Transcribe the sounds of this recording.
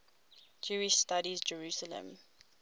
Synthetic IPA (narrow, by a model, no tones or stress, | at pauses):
d͡ʒuːiʃstaɾizd͡ʒəɹusələ̰̃m